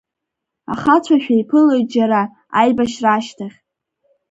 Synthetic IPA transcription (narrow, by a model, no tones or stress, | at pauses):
a̰χat͡ɕʷʰaʃᶣajpʰɨlojt̚d͡ʒaɾa | ajbaʃraʃtʰaχʲ